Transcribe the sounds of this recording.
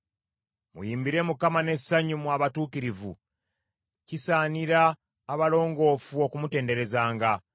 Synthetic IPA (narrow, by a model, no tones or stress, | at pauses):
mṵjiːmbiɾe̞mukamane̞sːaɲumwaːβatuːkiɾivṵ | cisaːniɾaː | βalo̞ːŋɡo̞ːfuo̞kumute̞ːnde̞ɾe̞zaːŋɡa